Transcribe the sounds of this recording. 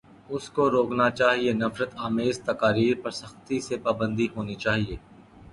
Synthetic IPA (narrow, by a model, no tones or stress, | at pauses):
ʊskoɾoːknat͡ʃaːɦienɐfɾət̪aːmeːzt̪ɐkaːɾiːɾpɐɾsɐxt̪isepaːbə̃nd̪iɦoːnit͡ʃaːɦieː